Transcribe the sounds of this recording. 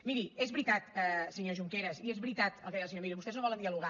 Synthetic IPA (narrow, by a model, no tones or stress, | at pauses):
miɾiezβɾit̪at̪ɛsəɲoʒuŋkeɾəsiezβɾit̪at̪əlˠkəðijlˠs̬ɲoɾmiɾiβust̪eznõβɔlˠənd̪iəluɣa